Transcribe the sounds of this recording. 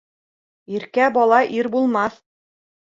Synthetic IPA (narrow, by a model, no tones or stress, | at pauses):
iɾkæbɑlˠɑʔiɾbulˠmɑθ